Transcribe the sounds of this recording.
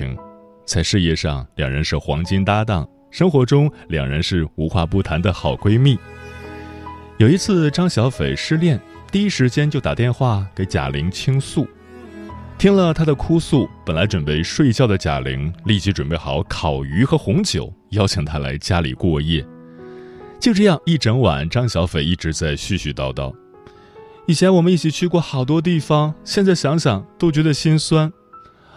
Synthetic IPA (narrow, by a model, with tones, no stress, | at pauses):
i˧˥ŋ | t͡sa˥˧ɪʂɻ̩˥˧jɛ˥˧ʂɑ˥˧ŋljɑ˨˩ŋɻə˧˥nʂɻ̩˥˩xwɑ̰˧˥ŋt͡ɕi˥nt̪a˥t̪̬ɑ˥˩ŋ | ʂɤ˥ŋxwɔ˧˥ʈ͡ʂʊ˥ŋljɑ̰˨˩ŋɻə˧˥nʂɻ̩˥˩u˧˥xwa˥˧pu˥˩t̪ʰa˧˥nd̪ə˨xɑ˨˩ʊkwe˥ɪmi˥˩ | jo˨˩ʊi˧˥t͡sʰɹ̩˥˧ʈ͡ʂɑ˥ŋɕjɑ˧˥ʊfe˨˩ɪʂɻ̩˥˧ljɛ˥˩n | t̪i˥˩i˥ʂɻ̩˧˥t͡ɕjɛ˥nt͡ɕjo˥˩ʊt̪a̰˨˩t̪jɛ˥˧nxwa˥˩ke˧˥ɪt͡ɕja̰˨˩li˧˥ŋt͡ɕʰi˥ŋsu˥˩ | t̪ʰi˥ŋlə˨t̪ʰa˥d̪ə˨kʰu˥su˥˩pə˨˩nla˧˥ɪʈ͡ʂwə˨˩npe˥˧ɪʂwe˥˧ɪt͡ɕjɑ˥˩ʊd̪ə˩t͡ɕja̰˨˩lḭ˧˥ŋli˥˩t͡ɕi˧˥ʈ͡ʂwə˨˩npe˥˩ɪxɑ̰˨˧˦ʊkʰɑ˨˩ʊy˧˥xɤ˧˥xʊ˧˥ŋt͡ɕjo̰˨˩˦ʊjɑ˥ʊt͡ɕʰi˨˩ŋt̪ʰa˥la̰˧˥ɪt͡ɕja˥lḭ˨˩kwɔ˥˧jɛ̰˥˩ | t͡ɕjo˥˧ʊʈ͡ʂɤ˥˧jɑ˥˧ŋi˥˩ʈ͡ʂə˧˥ŋwa̰˨˩˦nʈ͡ʂɑ˥ŋɕjɑ˧˥ʊfe˨˩ɪi˥˩ʈ͡ʂɻ̩˧˥t͡sa˥˧ɪɕy˥˧ɕy˧t̪ɑ˥˧ʊt̪ɑ˥˩ʊ | i˥˩i˨ɛ˧˥nwɔ˨˩mə˧˦ni˥˩t͡ɕʰi˨˩t͡ɕʰy˥˧kwɔ˥˩xɑ˨˩ʊt̪wɔ˥t̪̬i˥˩fɑ˩ŋɕjɛ˥˧nt͡sa˥˩ɪɕjɑ˧˥ŋɕjɑ˨˩ŋt̪o˥ʊt͡ɕɥɛ˧˥d̪ə˧ɕi˥nswa˥n